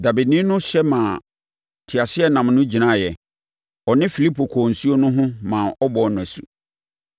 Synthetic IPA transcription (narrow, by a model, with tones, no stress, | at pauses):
da˨bi˨dnĩ˦nʊ̃˦ɕɛ˦mã˨ | tʰɪ˨a˨sɪ˦ɛ˦nã˨mnʊ̃˦d͡ʑi˨nã˦˨jɛ˨ | ɔ˨nɪ̃˦fi˨li˦pʰo˨kʰɔː˨n̩˨su˦o˦nʊ̃˦ɦʊ̃˦mã˨ʔɔ˦bɔ˨nʊ̃˨æ˨sṵ˦˨